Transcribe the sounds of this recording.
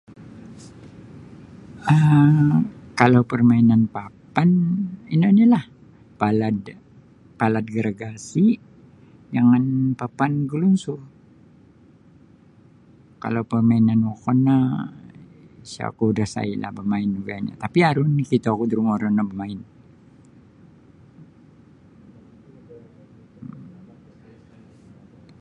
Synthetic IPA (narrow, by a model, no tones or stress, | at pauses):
ə | kalawpərmainanpapaninanalah | palad̪ | palat̪̚ɡəɾaɡasi | d͡ʒaŋanpapanɡəlunsʊr | ka̰lawpərmainanwokɔnːa | sa̰kuudahsa̰ila̰hbəmaɪnuɡaaɲa̰t̪apiaɾunkit̪aakud̪əɾuŋoɾanabəmaɪn